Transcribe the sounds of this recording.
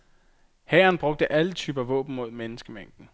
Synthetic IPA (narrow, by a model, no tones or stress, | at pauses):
hɛːɐnb̥ʁɔ̽ɡ̥̚d̥əʔælət͡sʰyːb̥ɐæʋɔ̰̽ːb̥n̩mo̝ð̞̰ˠmenəsɡ̥əmeŋ̰d̥n̩